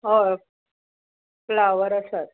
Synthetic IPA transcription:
ɦo | plaʋəɾəsət̪̚

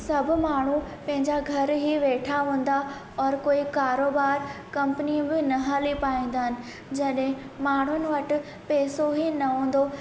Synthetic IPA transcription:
sɐbʱʊ̆maːɳ̤upɐ̃ɦɪ̃ɲd͡ʑaɡʱɐɾɦiʋeːʈʰaɦũːn̆d̪a | ɔːɾkoːikaːɾoːbaːɾkɐ̃mpənĩbɪnɐɦaːlipaːĩːn̆d̪aɦɪnɪ̆ | d͡ʑɐɗɦɪ̃ | maːɳ̤ʊnɪ̆ʋɐʈɪ̆ | pɛːsoɦinɐɦũːn̆d̪o

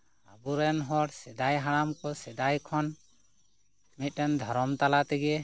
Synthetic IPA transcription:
abuɾɛnɦɔɽsɛd̪ajɦaɽamkɔsɛd̪ajkʰɔn | mit̪̚ˀɾɛnd̪ʱɔɾɔmt̪alat̪ɛɡɛ

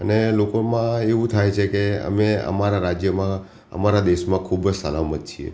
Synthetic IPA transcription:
ənelokomãeʋũt̪ʰajt͡ʃʰekeə̰meə̰maɾaɾad͡ʒjəmã | ə̰maɾad̪eʃmãkʰubsəlamət̪̚t͡ʃʰiḛ

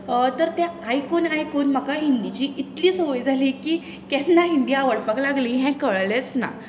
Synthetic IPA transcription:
ət̪əɾt̪jaajkonajkonm̤əkaɦind̪it͡ɕiːʔit̪liːsəʋəjd͡zʱaliːkiː | kjɛnːaɦind̪iːaʋəɽpaklaɡliːɦɛ̃kəɭlet͡sna̰

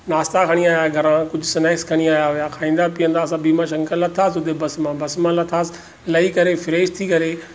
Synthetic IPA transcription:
naːst̪akʰɐɽ̃iaːjaɡʱɐɾãkʊd͡ʑʱʊsɪnɛːkskʰɐɽ̃iaːjaɦʊjakʰaːĩːn̆d̪apiə̃nd̪aːsãbiːmãʃɐ̃ŋkʰəlɐt̪ʰaːsɦʊt̪ebɐsmãbɐsmãlɐt̪ʰaːsɪ | lɐikɐɾefɪɾeːʃt̪ʰikɐɾeː

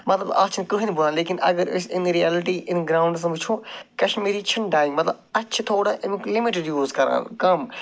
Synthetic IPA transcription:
mɐt̪ləbaːt͡ʃʰnkʊɦinibʊlãːleːkɪnɐ̰ɡəɾɪ̰sɪnɾijaːlɪʈiːʔɪnɡɾãːʊɳɖs̬bʊt͡ʃʰõːkɐʃmiːɾiːt͡ʃʰɪnɖaːɪ̃ŋɡmɐt̪ləbɐtːʃʰt̪ʰoːɽaːʔɪmklɪmɪʈɪɖjuːzkɐɾã̰ːkɐm

